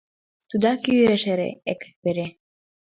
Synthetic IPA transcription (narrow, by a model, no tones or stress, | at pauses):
t̪ud̪ɑkyeʃeɾḛekə̥k̚beɾe